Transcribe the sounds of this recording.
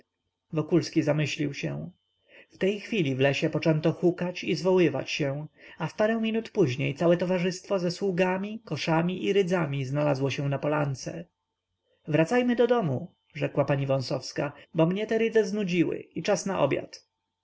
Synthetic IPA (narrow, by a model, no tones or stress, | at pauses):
vɔkulskʲizamɘɕlʲiwɕɛ̰w̃ | ft̪ɛjxfʲilʲivlɛɕɛpɔt͡ʂɛnt̪ɔxukat͡ɕizvɔwɘva̰t͡ɕɕɛ̃afpaɾɛ̃w̃mʲinut̪puʑɲejt̪sawɛt̪ɔvaʐɘst̪fɔzɛswuɡamʲikɔʂamʲiʔiɾɘd̪zamʲiznalazwɔɕɛw̃napɔlant̪sɛ | vɾat̪sajmɘd̪ɔd̪ɔmu | ʐɛkwapaɲivɔ̃w̃sɔfskabɔmɲɛt̪ɛɾɘd̪zɛznud͡ʑiwɘ̰it͡ʂasnaʔɔ̰bʲja̰t̪